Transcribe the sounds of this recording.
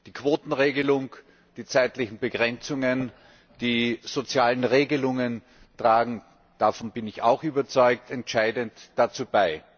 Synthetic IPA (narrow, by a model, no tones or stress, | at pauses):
d̥iːkʰv̥oːtn̩ʁeːɡəlʊŋ | d̥iːt͡saɪtlɪçn̩bəɡʁɛnt͡sʊŋən | d̥iːz̥ot͡sjaːlənʁeːɡəlʊŋən | tʁ̥aːɡŋ̩ | d̥afɔnbɪnɪça̰ʊxyːbɐt͡sɔʏk̚tɛntʃaɪdəntd̥at͡suːbaɪ